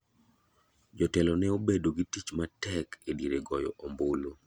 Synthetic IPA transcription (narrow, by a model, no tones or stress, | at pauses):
d͡ʒɔtɛlɔnɛobedoɡitit͡ʃmatɛkediɾeɡɔjɔ̰ʔombolo